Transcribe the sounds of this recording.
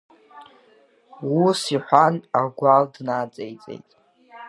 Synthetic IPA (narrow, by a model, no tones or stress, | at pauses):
wusiħʷanaɡʷaldnat͡sʼejt͡sʼḛjtʼ